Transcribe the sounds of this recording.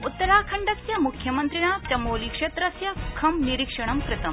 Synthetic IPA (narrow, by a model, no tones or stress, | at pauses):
ut̪ːɐɾaːkʰɐɳɖɐsjɐmukʰjɐmɐnt̪ɾiɳaːpɾɐmoːlikʂet̪ɾɐsjɐkʰɐmniɾikʂɐɳ̃ɐmkɾɪt̪ɐm